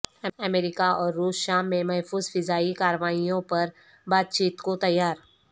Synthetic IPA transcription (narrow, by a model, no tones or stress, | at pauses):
əmeɾɪkaʔɔːɾːuːsʃaːmːẽmɐɦfuːzfɪzaːikaːɾʋaːijõpɐɾ | baːt̪̚t͡ɕiːt̪kot̪ɐjːaːɾ